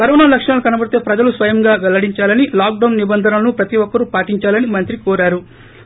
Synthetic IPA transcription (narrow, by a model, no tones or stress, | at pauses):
kɐɾɔːnalɐkʂɐɳɐlukɐnɐbɐɽit̪e̞ːpɾɐd͡ʒɐlusʋɐjɐŋɡaːɡɐlɐɽiɲt͡ʃaːlɐnilaːk̚ɖɐwnːibɐnd̪ʱɐnɐlɐnupɾɐt̪iʋɔkːɐɾupaːʈiɲt͡ʃaːlɐnimɐnt̪ɾikɔːɾaːɾu